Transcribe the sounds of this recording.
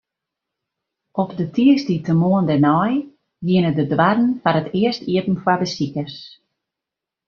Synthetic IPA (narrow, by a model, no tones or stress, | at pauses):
ʔɔpdətʰiəstitəmoəndɛnɔj | jɪənədədwadən̩fanətɪəstiətn̩fwadəsikəs